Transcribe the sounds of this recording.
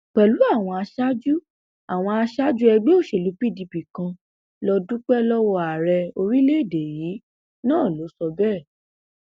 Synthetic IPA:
k͡pɛ˨lu˨˦a˦˨w̃ɔ̃˧a˧ʃa˦d͡ʒu˦ | a˨w̃ɔ̃˧a˧ʃa˦d͡ʒu˦ɛ˧ɡ͡be˦o˦˨ʃe˨lu˨˦pi˦di˧bi˨kã˧ | lɔ˧dũ˦k͡pɛ˦lɔ˦wɔ˧a˨ɾɛ˧o˧ɾi˦le˦˨de˨jiː˨˦ | nãː˦˨lo˨˦sɔ˧bɛ˦˨

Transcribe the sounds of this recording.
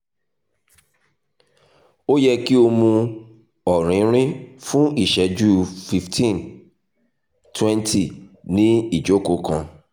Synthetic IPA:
o˦jɛ˦ki˦o˦mũ˦ | ɔ˨ɾ̃ɪ̃˨˦ɾ̃ɪ̃˦fʊ̃˦i˨ʃɛ˨˦d͡ʒu˦fi˨ftʰĩ˦˨n | tʰwɛ̃˦ntʰi˨nĩ˦i˨d͡ʒo˦ko˨kʰɔ̃˨

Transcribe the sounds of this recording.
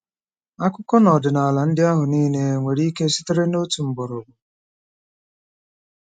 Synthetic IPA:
a˦kʷʊ˦kɔ˦nɔ˨dɪ˨na˨a˨la˨n̩˦dɪ˦a˦ɦʊ˨niː˦ne˦˨˦ŋʷe˨ɾi˦ke˦sɪ̥˦te˦ɾe˦no˦tu˨m̩˨bɔ˨ɾo˨bʊ˨

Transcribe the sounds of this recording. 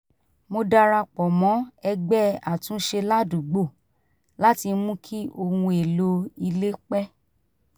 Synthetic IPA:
mo˧da˧ɾa˧k͡pɔ˨mɔ̃˨˦ɛ˧ɡ͡bɛ˦a˨tũ˨˦ʃe˧la˦dũ˨ɡ͡bo˦˨ | la˦ti˧mũ˦kʰi˦ʔo˧hũ˧e˨lo˦i˧le˦k͡pɛ˦

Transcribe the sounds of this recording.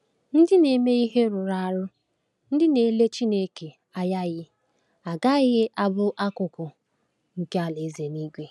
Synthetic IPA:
n̩˦dɪ˦ne˨me˦i˦ɦe˦ɾʊ˨ɾa˨a˨ɾʊ˦ | n̩˦dɪ˦ne˨˦le˦t͡ʃi˦ne˦ke˨ | a˦ja˦ɣɪ˦ | a˨ɡa˦ɪ˦ɣɪ˦ʔa˦bʊ˦ʔa˦kʊ˨kʊ˨ | ŋ̩˨ke˦a˨le˨˦ze˨ni˦ɡʷe˦

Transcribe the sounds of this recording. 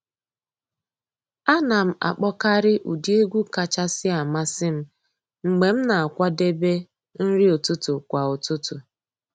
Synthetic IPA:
a˦na˨m̩˦a̰˨k͡pɔ˦ka˦ɾɪ˦ʔu˨di˦e˦ɡʷu˦ka˨t͡ʃa˦sɪ˦a˨ma˦sɪ˦m̩˦ | ŋ͡m̩˨ɡ͡be˨m̩˦na˨a˨kʷa˦de˦be˦ | n̩˦ɾɪ˦o˨tʊ˦tʊ˨kʷa˨o˨tʊ˦tʊ˨

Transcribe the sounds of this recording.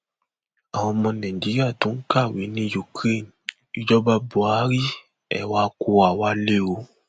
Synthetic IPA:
a˨w̃ɔ̃˧mɔ̃˧nã˨ĩ˨d͡ʒi˨˦ɾi˦a˦˨tũ˨˦ka˦˨wi˨˦nĩ˦ju˨kɾe˦˨n̩˨ | i˧d͡ʒɔ˦ba˧bo˨a˨˦ɾi˦ | ɛ̰˦˨wa˨˦ko˧a˨wa˧˦le˦o˧˦

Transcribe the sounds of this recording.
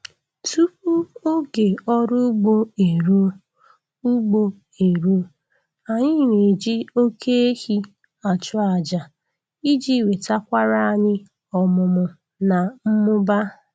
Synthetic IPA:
tu˦pu˦o˦ɡe˨ɔ˦ɾʊ˦ɡ͡bo˦e˨ɾu˦ | u˦ɡ͡bo˦ | e˨ɾu˦ | a˨ɲɪ˦˨ɲe˨d͡ʒi˦o˦kʰe˦e˦hi˦ | a˨t͡ʃʊ˦a˨d͡ʒa˨ | i˦d͡ʒi˦we˨ta˦kʷa˦ɾa˦a˦˨ɲɪ˦ | ɔ˨mʊ˨mʊ˨ | na˨m̩˦mʊ˦ba˦

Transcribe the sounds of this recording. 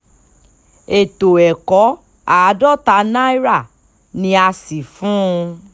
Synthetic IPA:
e˨to˨ɛ˨kɔ˨˦ | a˨˦dɔ˦ta˧˦nã˦i˦ɾa˦˨ | nĩ˧a˧si˨fũ˨˦˧

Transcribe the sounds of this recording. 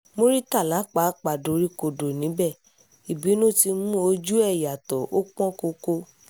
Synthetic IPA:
mo˦ɾi˦ta˦˨la˨˦k͡pa˨˦k͡pa˨do˨˦ɾi˦ko˨do˨nĩ˨˦bɛ˦˨ | i˨bi˨˦nũ˦ti˧mũ˦o˧d͡ʒu˦ɛ˦˨ja˨tɔ˨o˦k͡pɔ̃˦ko˧ko˧

